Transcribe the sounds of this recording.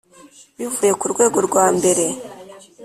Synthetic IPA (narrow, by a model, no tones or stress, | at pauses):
βivuje̞kuɾɡwe̞ːɡo̞ɾɡwaːmbe̞ɾe̞